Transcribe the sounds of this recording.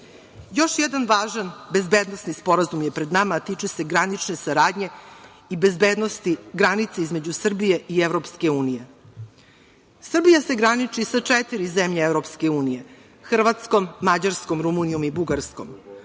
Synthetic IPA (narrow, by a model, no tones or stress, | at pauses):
jo̞ʃjɛd̪anʋaːʒanbe̞zbeːd̪nosnispo̞ɾazumjepɾed̪namat̪it͡ʂese̞ɡɾanit͡ʂne̞saɾaːd̪ɲe̞ | ibezbeːd̪nost̪iɡɾanit̪seizme̞d͡ʑusr̩bije̞ievɾo̞pske̞uːnije̞ | sr̩bijase̞ɡɾanit͡ʂisat͡ʂet̪iɾizemʎeevɾo̞pskeuːnije̞ | xr̩ʋat̪skomːad͡ʑaɾskomɾumunijomibuɡaɾsko̞̰m